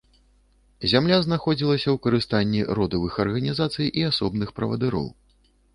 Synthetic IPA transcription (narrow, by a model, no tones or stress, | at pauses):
zʲamlʲaznaxɔd͡zʲilˠɐsʲɐwkɐɾɨst̪anʲːiɾɔd̪ɐvɨxɐrɣɐnʲizat̪sɨjʔiasɔbnɨxpɾɐ̰vɐ̰d̪ɨɾɔ̰w